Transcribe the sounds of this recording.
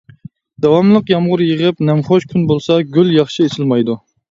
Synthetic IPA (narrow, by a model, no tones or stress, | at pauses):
d̪̥ɑwɑmlˠəqjɑmʁʊɾjəʁəpnɛmχoʃkʲʰynbolˠsɑɡʲyljɑχʃiet͡ʃʰɪlmɑjd̪u